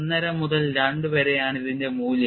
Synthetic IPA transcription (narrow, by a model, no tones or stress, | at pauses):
nːɐɾɐmuðɐlɾɐɳɖɨpeːɾejaːɳiðindemuːlj